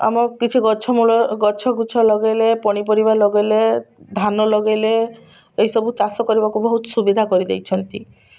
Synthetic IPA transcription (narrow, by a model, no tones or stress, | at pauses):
a̰mɔkit͡ʃʰiɡɔt͡ʃʰɔmulɔɡɔt͡ʃʰɔɡut͡ʃʰɔlɔɡejlepɔɽ̃ip̬ɔɾibalɔɡejled̪ʱanɔlɔɡejle | ejsɔbut͡ʃasɔkɔɾibakubɔɦut̪ɔ̥subid̪ʱakɔɾid̪ḛjt͡ʃʰɔnt̪i